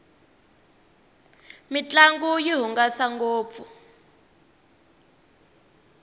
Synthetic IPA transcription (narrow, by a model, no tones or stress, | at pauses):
mit͡ɬʼaŋɡujiɦuŋɡasaŋɡoːp̪fu